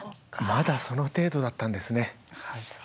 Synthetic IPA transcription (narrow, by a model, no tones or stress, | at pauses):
mad̪aso̞no̞t̪e̞ːd̪o̞d̪at̪ːãnd̪e̞sɨne̞